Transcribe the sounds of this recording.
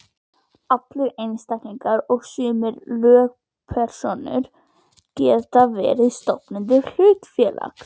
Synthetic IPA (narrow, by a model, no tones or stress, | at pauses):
aplʏʔejnst̪akniŋkaɾɔɣsʏːmɪllœːk̚ | pʰɛɾ̥sonʏ̰ɾ | cɛːt̪avɛ̰ːɾist̪ɔpnɪnd̪ɪɾl̥ʉːt̪fjɛla̰k̪